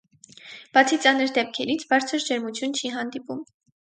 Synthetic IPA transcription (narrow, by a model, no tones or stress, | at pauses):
b̥ɑt͡sʰit͡sɑnəɾd̪ɛp̚kʰɛɾit͡sʰbɑɾt͡sʰəɾd͡ʒɛɾmut͡sʰjunt͡ʃʰiɦɑnd̪ipum